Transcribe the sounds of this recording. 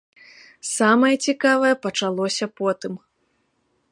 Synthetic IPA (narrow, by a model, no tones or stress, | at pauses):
samɐjɐt͡sʲikavɐjɛpɐt͡ʂalˠɔsʲɐpɔt̪ɨm